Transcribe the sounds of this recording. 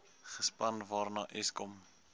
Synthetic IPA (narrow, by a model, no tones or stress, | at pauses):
χəspɐnvɑːrnɑːʔɛskɔm